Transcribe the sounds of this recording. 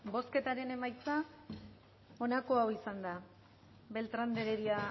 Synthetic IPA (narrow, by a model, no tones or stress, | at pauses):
bo̞ske̞t̪aɾe̞ne̞majt͡sa | o̞nako̞awisand̪a | be̞lt̪ɾand̪eɾeɾia